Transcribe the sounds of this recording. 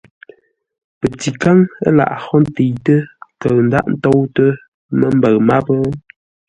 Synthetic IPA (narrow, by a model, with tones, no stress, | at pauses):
pə˨ti˨ka˦ŋə˦la̰˨ʔhɔ˦n˦te˨jtə˦kə˨n̩˦da̰˦ʔn̩˦to˦wtə˦ | mə˦m˦bə˨ɣma˦pə˦